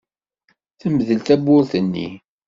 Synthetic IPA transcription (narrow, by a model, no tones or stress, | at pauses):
θəmðəlt̪æbːʊɾθənːḭ